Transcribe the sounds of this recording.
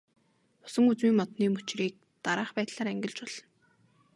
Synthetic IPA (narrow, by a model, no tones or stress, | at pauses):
ʊ̥sə̆ŋut͡swiːŋmɔt̪niːmɵt͡ɕriːk̚ | t̪aɾaːχpæːt̪ɮaːɾæŋɡʲɪ̆ɮt͡ɕɔɮ̥ɞ̆n